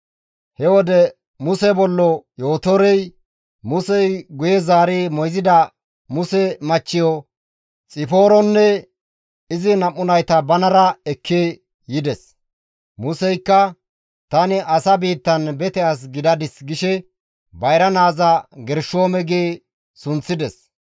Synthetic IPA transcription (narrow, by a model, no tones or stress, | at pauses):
hɛwɔd̪ɛ | mʊsɛbɔlːɔjo̞ːt̪ɔɾɛj | mʊsɛjɡʊjɛzaːɾeːmɔjzɪd̪ɐ | mʊsɛmɐt͡ʃːɪjɔ | t͡sʼɪfo̞ːɾɔnːɛ | ɪzɪnɐmːʊnɐjt̪ɐbɐnɐɾɐɛkːeː | jɪd̪ɛs | mʊsɛjkːɐ | t̪ɐnɪʔɐsɐbiːt̪ːɐnbɛt̪ɛas̬ɡɪd̪ɐd̪ɪsɡɪʃɛ | bɐjɾɐnaːzɐɡɛɾʃoːmɛɡeː | sʊnt͡sːɪd̪ɛs